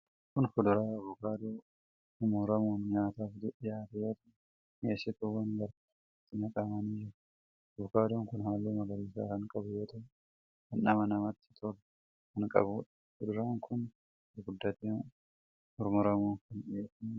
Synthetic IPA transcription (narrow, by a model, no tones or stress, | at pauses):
kʊnfʊd̪ʊɾaːɐβʊkaːd̪oː | hʊmʊɾɐmuːnɲaːt̪aːfd̪ʊʔɪjaːt̪ɐjoːt̪ɐ | ʔeːsɪt̪ʊwɐnɡɐɾ | t̪ːɪnɐkʼamɐniːd͡ʒɪɾ | ɐβʊkaːd̪oːŋkʊnhaːlːuːmɐɡɐɾiːsa̰ːkɐŋkʼɐbʊjoːt̪ɐw | kɐnːɐmɐnɐmɐt̪ːɪ̥t̪ʰɔɾ | kɐŋkʼɐ̰bʊᶑɐ̥ | fʊd̪ʊɾaːŋkʰʊn | ɡʊd̪ːɐt̪eːn | mʊɾmʊɾɐmuːŋkɐneːsnː